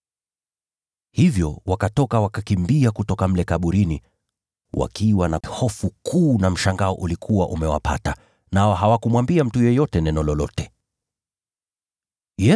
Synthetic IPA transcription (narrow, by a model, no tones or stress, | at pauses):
hivjɔwakatɔkawakakimbiakutɔkam̩lɛkaɓuɾini | wa̰kiwanahɔfukʰuːnam̩ʃaŋɡaɔʔulikʰuwa̰ʔumɛwa̰pa̰ta | naɔɦawakumwambiam̩tujɛjɔtɛnɛnɔlɔlɔtɛ̥ | jɛ